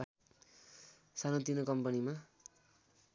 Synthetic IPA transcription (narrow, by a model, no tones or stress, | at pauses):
sanot̪inokʌmpʌnima